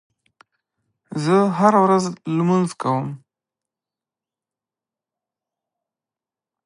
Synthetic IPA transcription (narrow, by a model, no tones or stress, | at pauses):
zəɦaɾawɾazlmənzkawəm